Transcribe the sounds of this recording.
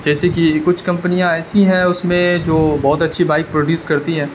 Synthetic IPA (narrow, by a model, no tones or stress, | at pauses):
d͡ʒɛːsekikʊt͡ʃʰkɐ̃mpənijãɛːsiɦɛ̃ʊsmẽd͡ʒoːbɔːt̪ɐtːʃʰibaːɪk̚pɾoːɖjuːskɐɾt̪iɦɛ̃ː